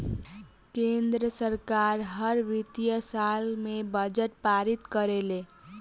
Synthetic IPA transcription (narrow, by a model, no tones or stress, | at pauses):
kend̪ɾəsəɾkaɾɦəɾʋit̪ijəsalmebəd͡ʒəʈ̚paɾit̪kəɾele